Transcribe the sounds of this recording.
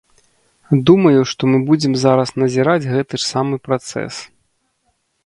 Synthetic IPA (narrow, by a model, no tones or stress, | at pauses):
d̪umɐjuʂt̪ɔmɨbud͡zʲɛmzaɾɐsnɐzʲiɾad͡zʲɣɛt̪ɨʂsamɨpɾat̪sɛ̰s